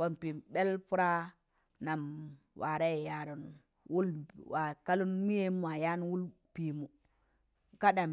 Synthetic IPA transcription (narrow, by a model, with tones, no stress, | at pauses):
wo˨npi˨ɓe˦lpu˦ɾa˦ | na˨m | wʔa˨ɾa˦je˨ja˦ɾo˨n˨ | wu˦lwa˨ka˦lu˦n˦mi˦je˦mu˦wa˨ja˦n˦wu˦l | pi˨mu˨ | ka˦da˨m